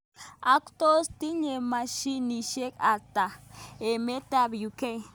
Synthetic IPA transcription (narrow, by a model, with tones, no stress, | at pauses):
a˨kʷt̪o˦st̪i˦ɲe˨maʃi˦ni˨ʃe˦ka˨t̪a˨e˨me˦t̪a˦bju˨ke˦j